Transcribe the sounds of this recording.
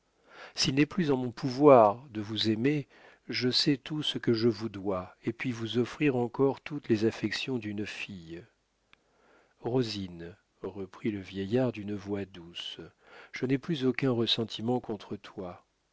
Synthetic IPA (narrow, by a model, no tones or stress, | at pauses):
silnɛplyzɑ̃mɔ̃puvwaʁd̪əvuzeme | ʒəsɛt̪usəkəʒəvud̪waepɥivuzɔfχiʁɑ̃kɔʁt̪ut̪lezafɛksjɔ̃d̪ynfij | ʁozin | ʁəpχiləvjɛjaʁd̪ynəvwad̪usʒ̥ənɛplyzokʲɛ̃ʁəsɑ̃t̪ʰimɑ̃kɔ̃t̪χət̪wa